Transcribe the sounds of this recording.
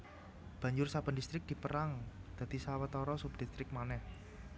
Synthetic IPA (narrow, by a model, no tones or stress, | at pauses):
b̥ä̤ɲd͡ʒʊrsab̥ə̤ndist̪ɾɪk̚d̪̥i̤pəɾaŋd̪̥ä̤d̪̥isawət̪ɔɾɔsup̚d̪̥ist̪ɾɪk̚manɛh